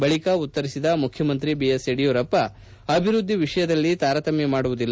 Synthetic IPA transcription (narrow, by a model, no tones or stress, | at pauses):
bɐɭikɐut̪ːɐɾisid̪ɐmukʰjɐmɐnt̪̬ɾibiːjeseɽijoːɾɐpːɐ | ɐbʱiɾud̪ʱːiʋiʂɐjɐd̪ɐlːit̪aːɾɐt̪ɐmjemaːɽuʋud̪ilː